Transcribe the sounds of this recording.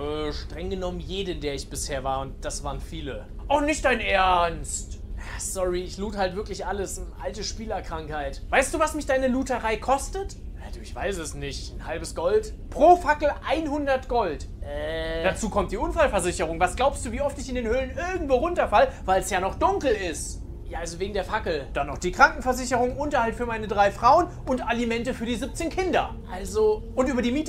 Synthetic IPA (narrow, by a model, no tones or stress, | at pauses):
ʔɛːʃtʁ̥ɛŋɡənɔmənjeːdədeːɐɪçb̥ɪsheːɐvaːɐʊnt̚d̥asv̥aːʁənfiːlə | ʔɔχnɪçt̚d̥aɪnʔeɐɐnstjaːsɔʁiɪçluːthaltv̥ɪɐklɪçʔaləsʔaltəʃpiːlɐkʁ̥aŋkhaɪtvaɪstd̥uːvasmɪçd̥aɪnəluːtəʁaɪkʰɔstət | jad̥ɪçv̥aɪsɛsnɪçtnhalbəsɡ̥ɔltpʁ̥oːfakl̩ʔaɪnhʊndɐtɡ̥ɔltʔɛd̥at͡suːkʰɔmtd̥iːʔʊnfalfɛɐzɪçəʁ̞ʊŋvasɡ̥laʊpstd̥uːviːʔɔftɪçɪndeːnhøːlənɪɐɡŋ̩tv̥oːʁʊntɐfaləvaɪlɛsjaːnɔχd̥ʊŋkl̩ɪst | jaːʔalzoveːɡŋ̩deːɐfakl̩d̥anːɔχd̥iːkʁ̥aŋkŋ̩fɛɐzɪçəʁʊŋʔʊntɐhaltfyːɐmaɪnədʁaɪfʁ̥aʊən | ʊntʔalimɛntəfyːɐdiːzɪp̚t͡seːnkʰɪndɐʔalzoʔʊntʔyːbɐdiːmiːt